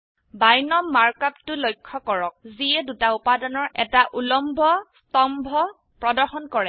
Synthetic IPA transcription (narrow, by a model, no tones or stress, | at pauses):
bajnɔmːaɹkap̚tʊlojkʰːɔkɔɹɔk̚ziɛdutaupadɔnɔɹɛtaʔulɔmbʱɔstɔmbʱɔ | pɹɔdɔɹxɔnkɔɹɛ